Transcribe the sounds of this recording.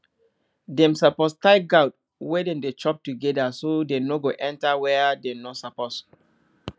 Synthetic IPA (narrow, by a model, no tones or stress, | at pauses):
dɛ̃msapɔstaɪɡawt̚ | wedɛ̃ndet͡ʃɔp̚tuɡɛdasodenoɡoʔɛ̃ntawɛdɛ̃nosapɔs